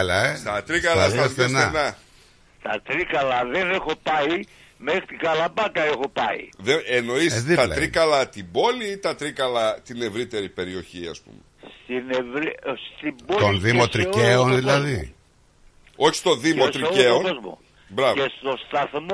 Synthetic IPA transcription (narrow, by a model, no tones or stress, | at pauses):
lɐest̪ɐt̪ɾikɐlɐssesnenɐ | t̪ɐt̪ɾikɐlɐðene̞xo̞pɐi | mexɾit̪iɡɐlɐbɐkɐexo̞pɐḭðeeno̞isit̪ɐt̪ɾikɐlɐt̪ibo̞lit̪ɐt̪ɾikɐlɐt̪ine̞vɾit̪e̞ɾipe̞ɾio̞çiɐ̰spṵmest̪inevɾist̪ibot̪onðimot̪ɾieonðilɐði | o̞çi̥st̪oðimot̪ɾikeonozmo̰ | bɾɐvest̪ost̪ɐθm